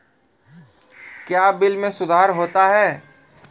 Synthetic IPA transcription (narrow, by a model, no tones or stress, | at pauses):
kjaːbɪlmẽsʊd̪ʱaːɾɦoːt̪aɦɛː